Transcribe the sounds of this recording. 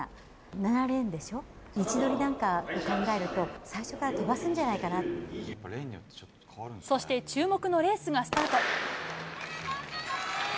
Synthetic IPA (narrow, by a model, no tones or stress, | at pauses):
nanaɾẽ̞nd̪e̞ɕo̞ | it͡ɕid̪o̞ɾʲinãŋkaokãŋɡae̞ɾɯ̟t̪o̞saiɕo̞kaɾat̪o̞basɨ̃ɲ̟d͡ʑanaikana | so̞ɕi̥t̪e̞t͡ɕɨːmo̞kɯ̟no̞ɾe̞ːsɨɡasɨ̥t̪aːt̪o̞